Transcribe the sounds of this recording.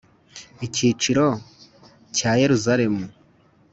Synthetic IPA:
iciːt͡ʃiɾo̞ | caːje̞ɾuzaɾe̞mu

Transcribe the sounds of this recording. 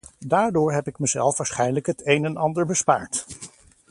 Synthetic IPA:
daːɹdʊːɹɦɛpɪk̚məzɛ̰lˠfʋaːɹsχɛjnləkɦətejnɛnɑndəɹbəspa̰ːɹt

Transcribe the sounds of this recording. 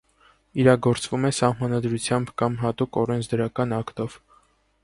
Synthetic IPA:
iɾɑɡɔɾt͡svumɛsɑhmɑnɑd̪ɾut͡sʰjɑmbkɑmɦɑt̪ukɔɾɛnt͡sʰd̪əɾɑkɑnɑkt̪ɔv̥

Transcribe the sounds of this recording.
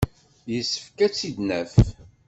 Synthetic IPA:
jəsːə̥fkæt͡sːid̪næf

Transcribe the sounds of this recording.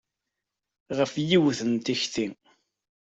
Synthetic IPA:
ʁəfjiwθənt̪içθi

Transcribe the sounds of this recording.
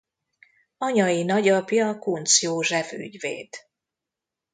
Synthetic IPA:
ɒɲɒjinɒɟɒpjɒkunt̪sjoːʒɛvy̰ɟvḛːd̪̥

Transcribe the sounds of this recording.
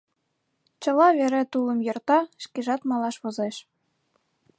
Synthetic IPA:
t͡ɕɤ̆lɑβeɾet̪ulˠɤ̆mjɤ̆rt̪ɑʃkeʒɑt̪mɑlˠɑʃβŏzeʃ

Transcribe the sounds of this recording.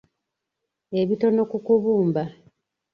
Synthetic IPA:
e̞βito̞no̞kukuβuːmba

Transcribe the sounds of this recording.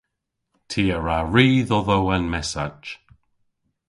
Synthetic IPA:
tʰiːəɹaɹiːðɔðowanmɛsa̰̥d͡ʒ

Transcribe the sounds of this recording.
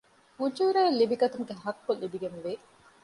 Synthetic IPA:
ud͡ʒuɾæːlːibiɡɐt̪uŋɡeɦɐkːolːibiɡenʋe

